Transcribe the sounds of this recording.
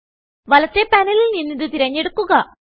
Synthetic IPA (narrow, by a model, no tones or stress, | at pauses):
ʋɐlɐt̪ːe̞pɐnililninːiðɨt̪iɾɐɲːe̞ɽukːuɣɐ